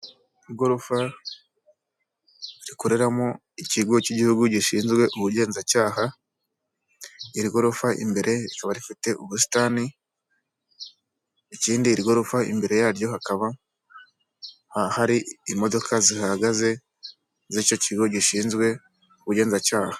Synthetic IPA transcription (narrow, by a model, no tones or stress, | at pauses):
iɡo̞ɾufa | ɾiko̞ɾe̞ɾamo | iciɡociɟihuɡuɟiʃiːnzɡwe̞ʔuβuɟe̞ːnzacaːɦa | iɾiɡo̞ɾufaʔḭmbe̞ɾʔe̞ɾikaβaɾifite̞ʔuβusi̥tani | iciːndiɾiɡo̞ɾufaḭmbe̞ɾe̞jaːɾjo̞hakaβa | hahaɾiimo̞do̞kʰazihaɡaze̞ | zico̞ciɡoɟiʃiːnzɡwe̞ | uβuɟe̞ːnzacaːhḁ